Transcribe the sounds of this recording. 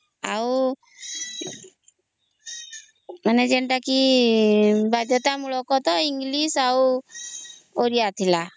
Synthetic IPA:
a̰w | maned͡ʒeɳʈaki | bad̪ʱjɔt̪amuɭɔkɔt̪ɔiŋɡlisaw | oɾijat̪ʰila

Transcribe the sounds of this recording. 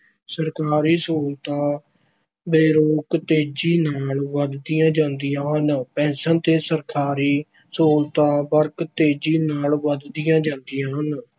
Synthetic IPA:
səɾkaːɾiːsoːlt̪ãː | beːɾoːkt̪eːd͡ʒiːnaːlʋəd̪d̪ijãːd͡ʒãːnd̪ɪjãːɦənpɛ̃ːnsənt̪eːsəɾkaːɾiː | soːlt̪ãːbəɾkt̪eːd͡ʒiːnaːlʋəd̪d̪ɪjãːd͡ʒãːnd̪ɪjãːɦən

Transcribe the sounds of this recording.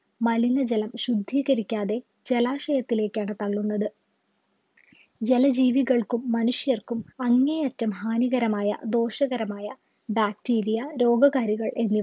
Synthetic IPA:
mɐlinɐd͡ʑelɐmɕud̪ʱːiːɣɐɾikʲːaːðe̞ | d͡ʑe̞laːʂɐjɐt̪ːile̞ːkʲːaːɳɨt̪ɐɭːunːɐðɨ | d͡ʑelɐd͡ʑiːʋiɣɐɭkumːɐnuʂjɐrkumɐŋːejɐtːɐmɦaːniɣɐɾɐmaːjɐ̰d̪o̞ːʂɐɣɐɾɐmaːjɐ | baːk̚tiːɾijɐɾo̞ːɡɐɣaːɾiɣɐɭʔe̞nːi

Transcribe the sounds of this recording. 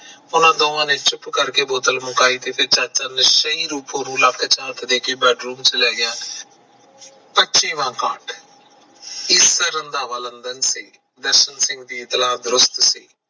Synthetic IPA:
ʊnãːd̪oːʋãːnẽːt͡ʃʊpkəɾkeːboːt̪əlmʊkaːiːt̪eːpʰɪɾt͡ʃaːt͡ʃaːneʃəiːɾuːpõːnũːlakʰːt͡ʃaːt̪ːd̪eːkʰeːbɛːɖɾuːmt͡ʃəlɛːjãː | pəːt͡ʃĩːʋãːkaːʈ | ɪsəɾənd̪aːʋaːlənd̪ənsiː | d̪əɾʃənsɪ̃ŋɡd̪iːɪt̪laːd̪ɾʊst̪siː

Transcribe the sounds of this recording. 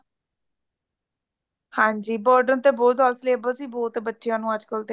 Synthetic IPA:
hãːɲd͡ʒiːbɔːɾɖənt̪eːboːt̪aːlsleːbəsiːbɔːt̪ebətːʃɪjãːnũːəd͡ʒkəlt̪e

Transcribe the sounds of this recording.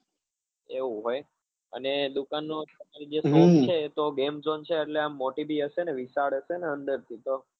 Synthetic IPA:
eũɦoj | ə̰ned̪ukanːot̪əmaɾid͡ʒesost͡ʃʰet̪oɡemzont͡ʃʰeːʈleamːoʈibiəʃeneʋisaɭəʃeneənd̪əɾt̪ʰit̪o

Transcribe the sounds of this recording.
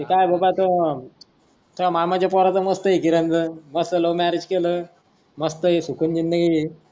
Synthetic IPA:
t̪ikajbəbat̪ə | t̪ʰəmamad͡ʑapɔɾat̪əməst̪əikiɾənd̪əməsəlomæɾed͡ʑkelə | məst̪əisukʰund͡ʑind̪əɡi

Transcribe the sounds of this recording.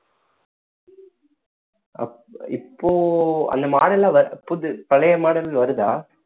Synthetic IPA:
ɐ̰ | ɪpːoːɐ̰nd̪ɐmaːɽɐlaːʋɐɾɐpːʊðɯpɐlɐjɐmaːɽɐlɪlʋɐɾɯðaː

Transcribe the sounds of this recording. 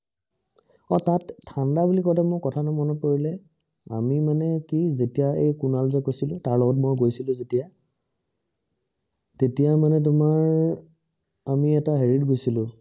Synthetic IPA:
ɔtatʰːandabulikɔtamojkɔtʰanɔmɔnɔkoɹilɛ | a̰mimanɛkizetijaejkunalzɛkojsilʊ̃taɹlɔɡɔt̬̚mojɡojsilʊ̃zetija | tetijamanɛt̬ʊmaɹ | amiɛtaɦeɹitɡojsilʊ̃

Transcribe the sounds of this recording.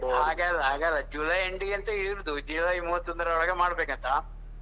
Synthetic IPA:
haːɡalːɐɦaːɡaːlːɐd͡ʒuːlɐjeɳʈɡeɐnt̪ɐiɽɾud̪ud͡ʒuːlɐjmuːɦɐt̪ːsɐnd̪ɐɾɐɔɭɐɡemaːɽɐbeːkɐnt̪ʰɐ

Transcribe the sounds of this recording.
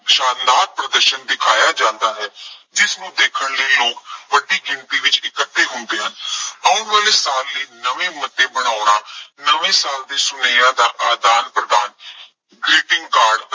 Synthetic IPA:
ʃaːnd̪aːt̪̚pɾəd̪əɾʃənd̪ɪkʰaːjaːd͡ʒãːnd̪aːɦɛːd͡ʒɪsnũːd̪eːkʰəɳləiloːkʋəɖiːɡɪɳt̪iːʋɪt͡ʃɪkət̪ʰːeːɦʊnd̪eːɦənaːʊnʋaːleːsaːlːəːnəʋẽːmət̪ːeːbəɽ̃aːʊɳaːnəʋẽːsaːld̪eːsʊneːãːd̪aːʔaːd̪aːnpɾəd̪aːn | ɡɾeːʈɪŋɡkaːɾɖ

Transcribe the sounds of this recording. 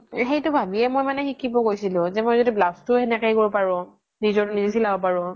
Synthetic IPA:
xejtʊbʱabiɛmojmanɛxikʰːibɔɡojsilʊ̃zɛmojzodiblastʊɛnɛkajkoɹɔpaɹʊ̃ | nizɔtnizisilabɔpaɹʊ̃

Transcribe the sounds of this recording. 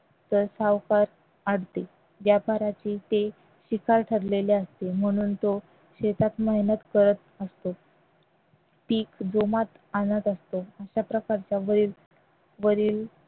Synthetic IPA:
t̪əɾsaʋkaɾ | aɽt̪e | ʋjapaɾat͡ɕiːt̪e | ɕikʰaɾʈʰəɾleleəst̪em̤əɽ̃uːnt̪o | ɕet̪at̪məɦnət̪kəɾət̪əst̪o | ʈiːkd͡zomat̪ | anət̪əst̪oəɕapɾəkaɾt͡ɕjaʋəɾiːl | ʋəɾiːl

